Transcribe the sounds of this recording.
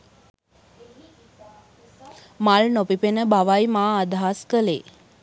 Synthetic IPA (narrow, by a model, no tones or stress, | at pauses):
malnopipenəbaʋajmaːd̪aɦaskəleː